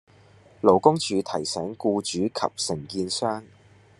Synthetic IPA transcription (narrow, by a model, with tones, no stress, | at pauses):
lo˨˩wkʊ˥ŋt͡ʃyː˨˧t̪ʰɐ˨˩jsɛː˨˥ŋkuː˧t͡ʃyː˨˥kʰɐ̰˨p̚sɪ˨˩ŋkiː˧nsœː˥ŋ